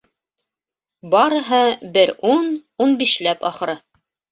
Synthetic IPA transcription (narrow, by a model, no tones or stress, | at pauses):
bɑɾɤ̆ɦɤbɘɾununbiʃlæpɑχɤ̆ɾɤ